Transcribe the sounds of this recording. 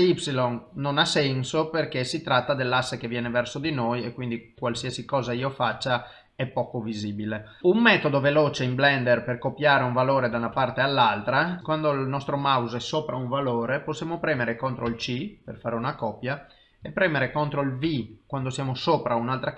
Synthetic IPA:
ipsilonnonasɛnsoperkesit̪ɾat̪ːad̪elːasːekevjɛːnevɛrsod̪inojekːwind̪ikwalsiasikɔːzaiːofat͡ʃːa | ɛpːɔːkoviziːbile | ummɛt̪od̪oveloːt͡ʃeimblɛnd̪erperkopjaːɾeuɱvaloːɾed̪aunapart̪ealːalt̪ɾakwand̪olnɔst̪ɾomawzɛsːoːpɾauɱvaloːɾeposjaːmopɾɛːmeɾekont̪ɾoilt͡ʃiperfaːɾeunakɔpja | epːɾɛːmeɾekont̪ɾoilvikwand̪osjaːmosoːpɾaunalt̪ɾa

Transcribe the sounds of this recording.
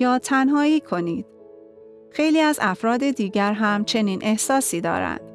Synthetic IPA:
jɒːt̪ʰænɦɒːiːkʰo̞niːd̪̥̚ | xe̞jliːæzæfɾɒːd̪e̞d̪iːɟæɾɦæmt͡ʃʰe̞niːnʔe̞hsɒːsiːd̪ɒ̰ːɾæ̰nd̪̥

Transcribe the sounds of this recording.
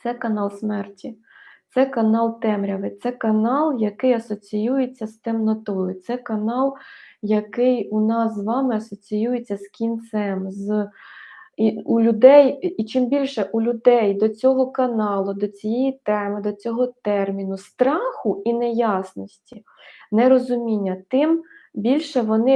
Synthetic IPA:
t̪sɛkɐnɑlˠsmɛrtʲi | t̪sɛkɐnɑlˠt̪ɛmɾʲɐʋɪt̪sɛkɐnɑlˠjɐkɪjɐsɔt͡sʲijujet͡sʲːɐst̪emnɔt̪ɔjʊt̪sɛkɐnɑlˠjɐkɪjʊnɑszʋɑmɪɐsɔt͡sʲijujet͡sʲːɐskʲint̪sɛmz | iulʲʊd̪ɛjit͡ʃɪmbʲilʲʃɛʔulʲʊd̪ɛjd̪ɔt͡sʲɔɦɔkɐnɑlˠʊd̪ɔt͡sʲijejit̪ɛmɪd̪ɔt͡sʲɔɦɔt̪ɛrmʲinʊst̪ɾɑxʊinɛjɑsnɔsʲtʲi | nɛɾɔzʊmʲinʲːɐt̪ɪmbʲilʲʃɛʋɔnɪ

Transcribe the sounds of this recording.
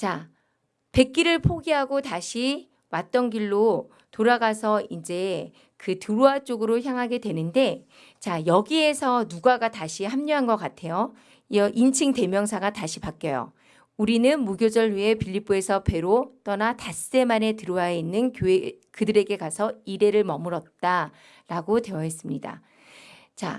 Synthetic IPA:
t͡ɕa | pe̞k͈iɾɯɭpʰoɡiɦaɡotaɕʰi | wat̚t͈ʌnɡiɭːo | toɾaɡasʰʌind͡ʑe̞ | kɯtɯɾoat͡ɕ͈oɡɯɾoçjaŋɦaɡe̞dwe̞nɯnde̞ | t͡ɕajʌɡie̞sʰʌnuɡaɡataɕʰiɦamɲuɦanɡʌk͈atʰe̞jo | ʌʔint͡ɕʰiŋte̞mjʌŋsʰaɡataɕʰipak͈ʌjo̰ | uɾinɯnmuɡjod͡ʑʌɭɥiɦe̞pʰiʎːip͈ue̞sʰʌpʰe̞ɾot͈ʌnatas͈e̞mane̞tɯɾowainːɯnkjoe | kɯdɯɾe̞ɡe̞kasʰʌiɾe̞ɾɯɭmʌmɯɾʌt̚t͈a | ɾaɡotwe̞ʌɦes͈ɯmɲida̰ | t͡ɕa̰

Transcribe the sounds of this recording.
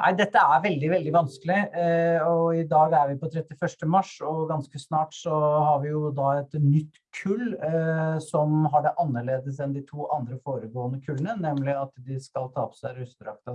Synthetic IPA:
nʔæ̰ɪd̪ɛt̪ːəæɾʋɛld̪ɪʋɛld̪ɪʋɑnskəlɪ | ɔɪd̪ɑːɡæɾʋɪpɔt̪ʰɾɛt̪ːɪfœʂʈəmɑʂɔɡɑnskəsnɑːʈsɔɦɑɾʋɪjʊd̪ɑɛt̪nʏt̪ːkʰʉlː | sɔmɦɑɖɛʔɑnːəɭeːd̪əs̬ɛnd̪ɪt̪ʰuːʔɑnd̪ɾəfoːɾəɡoːənəkʰʉlənənɛmlɪɑt̪d̪ɪskɑlt̪ʰɑːpʰɔsæɪɾʉst̪əɾɑk̚t̪ɑ

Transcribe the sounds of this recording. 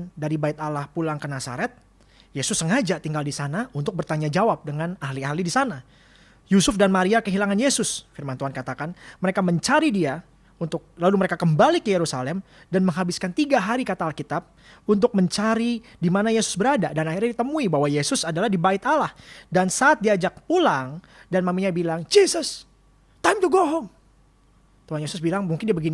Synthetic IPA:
ndaɾibait̪alahpulaŋkənasa̰ɾɛt̪̚ | jesʊsːəŋad͡ʒat̪iŋɡaldisanaunt̪ʊk̚bərt̪aɲad͡ʒawap̚dəŋanahliahlidisana | jusʊfdanmaɾiakəɦilaŋanjesʊsfirmant̪uɦankat̪akanməɾekaməɲt͡ʃaɾidia | unt̪ʊk̚laluməɾekakəmbalikəjeɾusalɛm | danməŋɦabɪskant̪iɡaɦaɾikat̪aːlkit̪ap̚ | unt̪ʊk̚məɲt͡ʃaɾidimanajesʊ̥sbəɾadadanahirɲadit̪əmuibaɦwajesʊsadalahdibait̪alahdansaːt̪̚diad͡ʒak̚pulaŋ | danmamiɲabilaŋd͡ʒisəs | t̪aimt̪uɡoɦɔŋ | t̪uɦanjesʊsbilaŋmuŋkɪndiabəɡin

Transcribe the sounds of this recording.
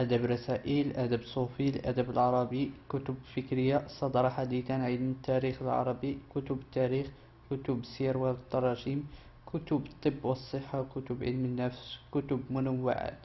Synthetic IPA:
ʔæd̪æbɾˤɑsæʔilʔæd̪æbsˤufilʔæ̰d̪æbəlʕɑɾˤɑbikʊt̪ʊbfəkɾəjːasˤɑd̪ɾˤɑħad̪it̪ænʕid̪mət̪ːæɾixəlʕɑ̰ɾˤɑbikʊt̪ʊbət̪ːæɾix | kʊt̪ʊbsiɾwalt̪ːɑɾˤɑʃim | kʰʊt̪ʊbt̪ˤːəbːwəsˤːəħːawkʊt̪ʊbʕə̰lmənːæfskʊt̪ʊbmʊnəwːa̰ʕa̰d̪̥

